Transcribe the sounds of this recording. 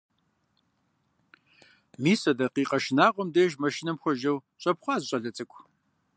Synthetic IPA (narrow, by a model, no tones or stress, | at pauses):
miːsɐdɐqiːqʼɐʃɪnaːʁʷɔmdeːʒmɐʃɪnɐmxʷɔʒɐwɕʷʼɐpχʷɑːzɕʼɐɮɐt͡sʼɨkʷʰʼ